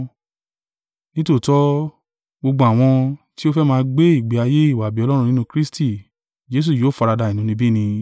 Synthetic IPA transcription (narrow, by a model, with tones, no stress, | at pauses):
nĩ˦to˦˨tɔ˦ | ɡ͡bo˧ɡ͡bɔ̃˧a˨w̃ɔ̃˧ti˦o˦fɛ˦mãː˧ɡ͡be˦i˦˨ɡ͡bi˨a˧je˦i˦˨wa˨bi˨˦ɔ˧lɔ˦ɾ̃ũ˧nĩ˦nũ˧kɾi˦sti˦˨ | d͡ʒe˦s̬u˦˨jo˨˦˨fɔ˧ɾa˧da˧i˨nũ˨˦nĩ˧bi˦nĩ˧